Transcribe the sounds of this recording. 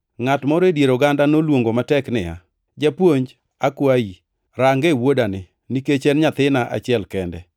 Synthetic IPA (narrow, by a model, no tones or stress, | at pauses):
ŋatmoɾedjeɾoɡandanolwoŋɡomatɛknɪja̰ | d͡ʒapwoɲd͡ʒ | akwai | ɾaŋɡewodanɪ | niket͡ʃɛnɲat̪ɪnaʔa̰t͡ʃɪɛlkɛndɛ